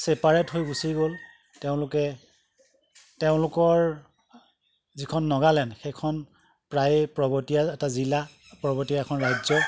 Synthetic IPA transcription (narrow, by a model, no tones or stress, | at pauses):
sepaɹɛtɦojɡusiɡol | teʊ̃lʊkɛ | teʊ̃lʊkɔɹ | zikʰɔnːɔɡalɛnxekʰɔn | pɹajpɹɔbɔtijaɛtazila | pɹɔbɔtijaɛkʰɔnɹajzɔ